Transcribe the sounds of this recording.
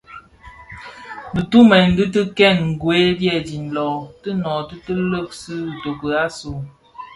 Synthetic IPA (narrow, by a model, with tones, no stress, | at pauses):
bɨ˨tu˦mɛ˨n˦dɨ˦tɨ˦kɛ˦˨nŋ̩˨ɡwe˨˦bjɛ˦˨di˨n̩˨lɔ˨tə˦nɔ˨tɨ˦tə˦lə˦˨k̚sɨ˦˨to˨kə˨a˦su˨